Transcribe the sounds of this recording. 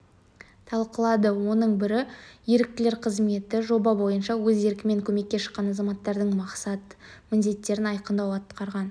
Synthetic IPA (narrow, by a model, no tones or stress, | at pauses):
t̪ʰɑlˠqəlˠɑd̪əwo̞nəɴbɪɾɪje̞ɾɪk̚t̪ɪle̞ɾqʰəzme̞t̪ɪʒo̞bɑbo̞jənʃɑwɵze̞ɾkʲɪme̞ŋkʲʰɵme̞kʲːe̞ʃə̥qqːɑnɑzɑmɑt̪ːɑɾd̪əɴmɑqsɑt̪ | mɪnd̪e̞t̪ːe̞ɾɪnɑjqənd̪ɑwɑt̪qʰɑɾʁɑn